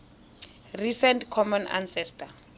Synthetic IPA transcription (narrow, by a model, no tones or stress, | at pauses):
risɛntkʰɔmɔna̰nsɛstʰʼa